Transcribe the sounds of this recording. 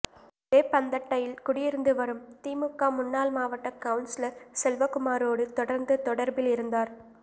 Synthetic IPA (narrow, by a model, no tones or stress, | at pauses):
peːpːɐnd̪ɐʈːɐjɪlkʊɽɪjɪɾɯnd̪ɯʋɐɾɯmt̪iːmɯkːaːmʊnːaːlmaːʋɐʈːɐkɐʋʊnsɪlɐɾsɛlʋɐkʊmaːɾoːɽɯt̪ɔɽɐɾnd̪ɯt̪ɔɽɐɾbɪlɪɾɯnd̪aːɾ